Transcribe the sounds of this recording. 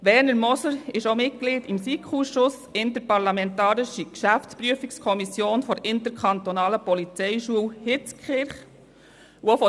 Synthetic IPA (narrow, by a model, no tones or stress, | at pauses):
ʋɛɾnəɾmɔsəɾɪʃomɪt̚ɡ̥liːdimsikχuːsʃʊs | ɪntəɾpɑɾlɑmɛntɑːɾɪʃikʃæfspɾyəfikskʰɔmisjoːnfɔɾʔɪntəɾkʰɑnt̪ɔnɑːləpɔlit͡sɛɪʃuəwhɪt͡skʰχɪɾχ | uofɔ